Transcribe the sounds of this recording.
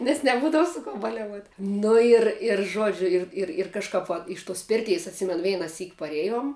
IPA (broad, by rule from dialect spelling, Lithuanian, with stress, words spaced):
nʲɛs nʲɛˈbuːdɐʋʊ sʊ koː bɐlʲɛˈʋuɔtʲ ˈnʊ ɪr ɪr ˈʒuɔd͡ʒʲʊ ˈɪr ɪr ɪr kɐʃˈkɐp ʋɐ ˈɪʃ ˌtoːs ˈpʲɪrʲtʲɛɪs ɐtʲˈsʲɪmʲɛnʊ ʋʲɛɪnɐˈsʲiːk pɐˈrʲeːjoːm